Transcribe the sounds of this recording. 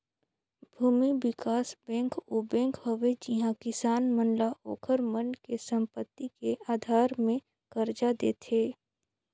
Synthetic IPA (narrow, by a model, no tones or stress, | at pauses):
bʱuːmibɪkaːsbɛ̃ːŋkoːbɛ̃ːŋkɦəʋed͡ʒɪɦãkɪsaːnmənlaʔo̰ːkʰəɾmənkesə̃mpət̪ːikeʔaːd̪ʱaːɾmẽ | kəɾd͡ʒad̪ḛːt̪ʰeː